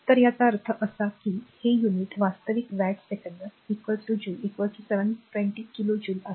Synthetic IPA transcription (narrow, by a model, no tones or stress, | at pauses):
t̪əɾjat͡saəɾt̪ʰəʔəsakiːhejuniʈʋast̪əʋikʋæʈsekəɳɖəɾikʋəɾʈud͡ʑuːlikʋəlʈuseʋənʈʋẽɳʈiːkilod͡ʑuːla